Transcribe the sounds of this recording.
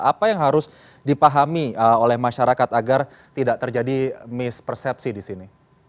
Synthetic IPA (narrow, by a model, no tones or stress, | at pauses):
apajaŋɦaɾʊs | dipaɦamiəolɛhmaʃaɾakat̪aɡar | t̪idaʔt̪ərd͡ʒadimɪspərsɛp̚sidisini